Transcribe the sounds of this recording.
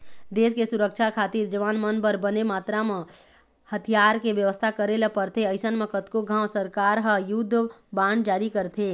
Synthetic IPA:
d̪eːskesʊɾəkt͡ʃʰakʰaːt̪iɾd͡ʒəʋaːnmənbəɾbənemaːt̪ɾamẽ | hət̪ʰijaːɾkeʋjəʋəst̪ʰakəɾeləpəɾt̪ʰeəɪsənmẽkət̪koɡʱãːwsəɾkaːɾɦə̃jʊd̪ʱːbãːɳɖ̚d͡ʒaːɾikəɾt̪ʰe

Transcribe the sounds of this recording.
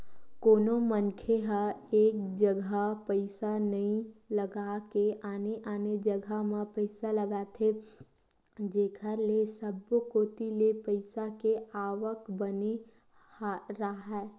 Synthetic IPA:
koːnomənkʰeɦəeːk̚d͡ʒəɡʱapəɪsanəĩləɡakeʔaːneʔaːned͡ʒəɡʱamẽpəɪsaləɡaːt̪ʰe | d͡ʒeːkʰəɾlesəbkoːt̪ilepəɪsakeaːʋəkbəni | haɾaɦɛː

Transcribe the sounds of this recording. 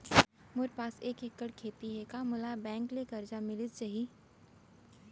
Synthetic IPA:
mʊɾpaːseːkekːəɽkʰeːt̪iɦɛkaːmʊlabɛ̃ːŋklekɐɾd͡ʒamɪlɪt͡ʃaɦi

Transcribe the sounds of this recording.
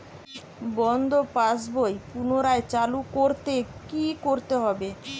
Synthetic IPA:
bɔnd̪ʱopasbojpunoɾaet͡ɕalukoɾt̪ekikoɾt̪eɦɔbe

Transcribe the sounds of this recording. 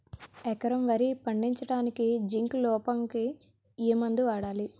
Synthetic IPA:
ɛkɐɾɐmʋɐɾipɐɳɖiɲt͡ʃɐʈaːnikid͡ʒiŋklɔːpɐŋki | iːmɐnd̪uʋaːɽaːli

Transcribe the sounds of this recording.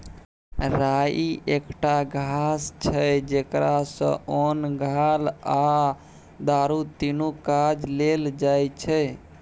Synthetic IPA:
ɾaiʔekʈaɡʱast͡ʃʰəd͡ʒekɾasə̰̃onɡʱala | d̪aɾut̪inukad͡ʒleld͡ʒajt͡ʃʰɛ

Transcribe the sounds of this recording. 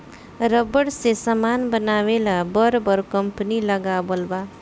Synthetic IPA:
ɾʌbʌɽsesʌmanbʌnawelabʌɾbʌɾkʌmpənilʌɡabolba

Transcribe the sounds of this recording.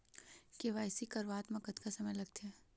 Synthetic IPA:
keʋaːjsikɐɾʋaːt̪mɐkət̪kasɐməjlɐɡ̚t̪eɛː

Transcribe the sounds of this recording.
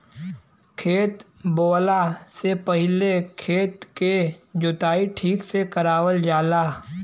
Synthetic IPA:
kʰeːt̪boːlasepəɦɪlekʰeːt̪ked͡ʒʊt̪aːiʈʰiːksekəɾaːwəld͡ʒaːlaː

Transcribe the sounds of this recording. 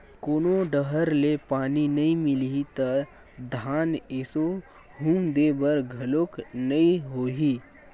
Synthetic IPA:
koːnoɖəɦəɾlepaːninɐĩmɪliit̪ɐ | d̪ʱaːneso | ɦũːmd̪ebəɾɡʱɐloknɐĩɦoːɦiː

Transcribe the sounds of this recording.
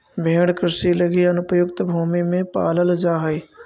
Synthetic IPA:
bʱẽːɽkɾɪsiləɡiɐnʊpəjʊkt̪bʱuːmimẽpa̰ːləld͡ʒaːɦəi

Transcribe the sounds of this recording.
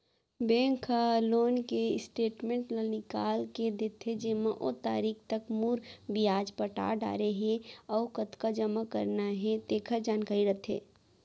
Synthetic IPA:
bɛ̃ːŋkʰaloːnkeɪsʈeːʈmẽɳʈlanɪkaːlked̪et̪ʰed͡ʒemaʔo̰t̪a̰ːɾiːkʰt̪əkmuːɾbijaːd͡ʒpəʈa̰ːɖa̰ːɾeɦẽɔːʊkət̪kad͡ʒəmakəɾnaɦɛ̃t̪eːkʰəd͡ʒaːnkaːɾiɾət̪ʰɦḛː

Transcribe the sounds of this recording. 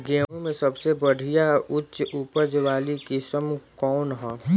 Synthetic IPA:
ɡeːõmẽsɐbsebəɽʱijaʊtːʃupəd͡ʒʋaːlikisəmkɔːnɦɛ̃ː

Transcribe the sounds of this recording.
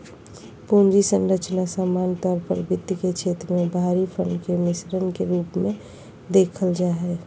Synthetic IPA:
puːnd͡ʒisə̃nɾət͡ʃnasaːmaːnt̪ɔːɾpə̰ɾbɪd̪jket͡ʃʰeːt̪ɾəmẽbʱaːɾipʰəɳɖkemɪsɾənkeɾuːpmẽ | d̪eːkʰəld͡ʒaːɦɛː

